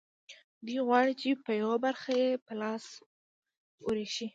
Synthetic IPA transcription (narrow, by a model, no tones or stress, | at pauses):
d̪uɣwɑɽit͡ʃepəjawabaɾxajepəlɑs | oɾeʃi